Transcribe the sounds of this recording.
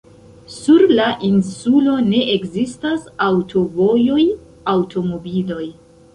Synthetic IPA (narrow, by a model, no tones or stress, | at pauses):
suɾlaʔinsulo̞ne̞ʔekzistasawtʰo̞vo̞jo̞j | awtʰo̞mo̞bilo̞j